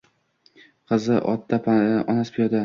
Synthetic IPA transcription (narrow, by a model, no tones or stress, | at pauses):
qʰɨzɪʔɒ̰t̪̚ːapʰɒnaspʰɪjɒd̪a